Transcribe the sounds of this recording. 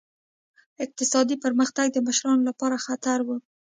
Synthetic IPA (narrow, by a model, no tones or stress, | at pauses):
ɪq̚t̪ɪsɑd̪ipəɾməxt̪aɡ̚d̪əməʃɾɑnolapɑɾaxat̪aɾwu